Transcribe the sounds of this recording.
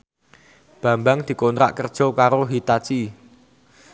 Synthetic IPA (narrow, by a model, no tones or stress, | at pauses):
b̥ä̤mbaŋd̪̥i̤kont̪ɾa̰ʔkərd̥ʒ̥ɔ̤kaɾoɦit̪at͡ʃi